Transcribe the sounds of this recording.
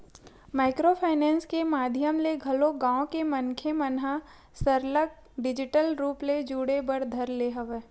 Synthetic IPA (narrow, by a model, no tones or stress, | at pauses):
maːɪkɾopʰaːɪnɛ̃ːnskemaːd̪ʱjəmleɡʱɐloɡãːõkemɐnkʰemɐnɦa | səɾlək̚ | ɖɪd͡ʒɪʈəlɾuːpled͡ʒuːɽebəɾd̪ʱɐɾleɦɐʋeː